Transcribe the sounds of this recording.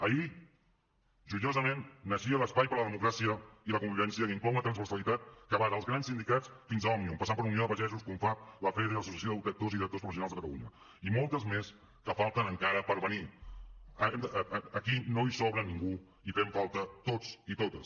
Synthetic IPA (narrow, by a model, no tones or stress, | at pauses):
əi | ʒuʎozəmenːəʃiələspajpəɾləðəmukɾasiəiləkumbiβɛnsiəkiŋklɔwunət̪ɾənzβəɾsəlit̪at̪̚kəβaɾəlˠzɣɾansind̪ikat͡sfinzəamiompɐsampəɾunioðəpəʒɛzuskuɱfaləfɛðəiləsusiəsjoðək̚t̪oziðiɾək̚t̪ospɾufs̬junalzðəkət̪ə̰ṵɲə | imolˠt̪əzmes | kəfalˠt̪ənəŋkaɾəpəɾβəni | əkinoisɔβɾəniŋɡu | ifeɱfalˠt̪ət̪ot͡sit̪ot̪əs